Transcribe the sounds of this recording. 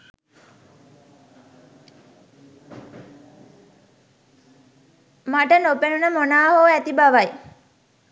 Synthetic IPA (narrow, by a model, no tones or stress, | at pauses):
maʈənopenunəmonaːɦoæt̪ibaʋaj